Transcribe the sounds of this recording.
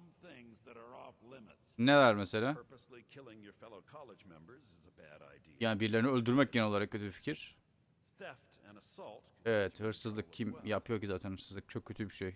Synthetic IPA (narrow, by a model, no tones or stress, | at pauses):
mθɪ̃ŋzðɨɾə˞ɔflɪ̃mɨtsnelæɾmese̞lʲaː˞pəslikʰɪlˠɪ̃ŋjə˞fɛlˠoʊkʰɑlˠəd͡ʒmɛ̃mbə˞zɪzəbæ̰ɾa̰ɪdijaːnibiɾlʲeɾiniølʲd̪yɾmɛc̚ɟeniolˠaɾak̚cʰøt̪ʰybifi̥cʰiɾ̥ | θɛftɨ̃nəsɔlˠt | evɛt̪hɯɾsɯzlˠɯk̚cʰimjapʰɯjo̞ɾcizaːt̪ʰænhɯɾsɯzlˠɯk̚t͡ʃʰo̞kcʰːøt̪ʰybiʃej